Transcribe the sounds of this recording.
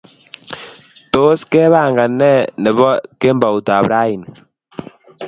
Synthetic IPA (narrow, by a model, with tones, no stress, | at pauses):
to˦skɛ˦βa˦˨ŋɡa˨nɛ˦˨nɛ˨βɔ˦ke˦mba˨wu˨ta˨bɾa˦i˨n